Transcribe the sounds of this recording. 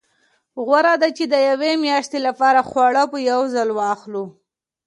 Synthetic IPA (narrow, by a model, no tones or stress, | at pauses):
ɣwaɾad̪at͡ʃed̪əjawemjɑʃt̪elapɑɾaxwɑɽapəjawzalwɑxlu